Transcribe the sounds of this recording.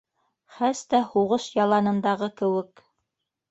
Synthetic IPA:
χæst̪æhuʁɤʃjɑlˠɑnɤ̆nd̪ɑʁɤkɘ̆wɘk

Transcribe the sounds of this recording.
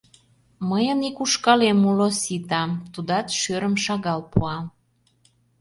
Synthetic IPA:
məjənikuʃkɑlemulosit̪ɑmt̪ud̪ɑt̪ʃøɾəmʃɑɣɑlpuɑm

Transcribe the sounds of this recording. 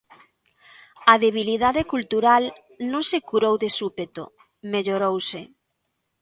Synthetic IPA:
ɐðeβ̞iliðaðɪkult̪uɾal | nõŋsekuɾowðesupet̪o̰ | meʎoɾowsɪ

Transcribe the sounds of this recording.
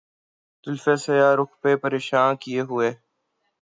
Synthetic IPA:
t̪ʊlfeːsɐjaːɾʊkpepəɾeːʃaːnkijeɦʊeː

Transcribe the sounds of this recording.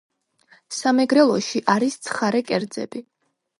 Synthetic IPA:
samɛɡɾɛlˠɔʃiʔaɾist̪sʰχaɾɛkʼɛɾd̪zɛ̰bi

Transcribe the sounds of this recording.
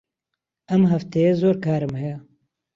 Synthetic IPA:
ɐmɦɐft̪ejezoːɾkʰaːɾɨmhɛja

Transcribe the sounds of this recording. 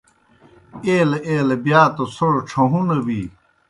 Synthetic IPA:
eːleeːlebjaːt̪osoɽoʈ͡ʂʰɐɦũnɐwiː

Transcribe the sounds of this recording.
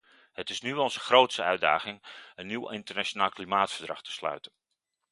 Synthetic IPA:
hətɪsnyɔlˠzəxrowtsəœɥda̰ːɣɪŋənːiwɪntərnat͡ʃonaːlˠklimaːtfərdrɑ̰xtə̥slœ̰ɥtən

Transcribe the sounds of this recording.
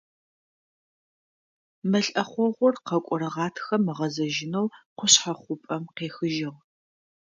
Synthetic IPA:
mɐɬʼɐχʷɔʁʷʊrqɐkʷʼɔɾɨʁɑːtʰxɐmɨʁɐzɐʒɪnɐwqʷʊɕħaχʷʊpʼɐmqeːxɨʒɪʁ

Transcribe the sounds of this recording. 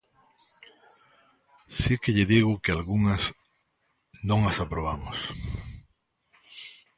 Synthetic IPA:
sikeʎɪðiɣʊkɪalɣuŋɐs | nõŋɐsapɾoβ̞amʊs

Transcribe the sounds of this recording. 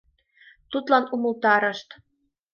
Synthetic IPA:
t̪ut̪lɑnumə̆lt̪ɑɾə̆ʃt̪

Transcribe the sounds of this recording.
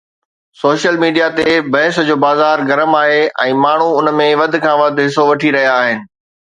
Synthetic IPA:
soːʃəlmiːɖijat̪ebɐɦɪsd͡ʑoːbaːzaːɾɡɐɾəmaːɦeɛ̃ːmaːɳ̤uʊnmẽʋɐd̪̆ʱkʰãːʋɐd̪ʱɦɪsoʋɐʈʰiɾɐɦijaːɦɪnɪ̆

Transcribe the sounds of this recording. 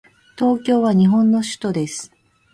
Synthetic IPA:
t̪o̞ːkʲo̞ːβaɲ̟iɦõ̞nːo̞ɕɨ̥t̪o̞d̪e̞sɨ̥

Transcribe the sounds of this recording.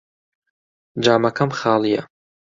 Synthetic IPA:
d͡ʒaːmɐkʰɐmχɑːlˠijɐ

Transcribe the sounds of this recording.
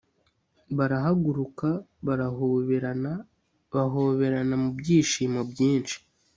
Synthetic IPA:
βaɾaɦaɡuɾukaβaɾaɦuβeɾana | βaɦoβe̞ɾanamubɟiːʃiːmobɟiːnt͡ʃi̥

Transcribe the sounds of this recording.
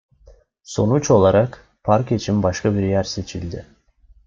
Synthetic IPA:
so̰nut͡ʃo̞lˠɑɾɑq | pʰɑɾket͡ʃʰimbɑʃkɑbiɾjæɾse̞t͡ʃʰild̪ɪ

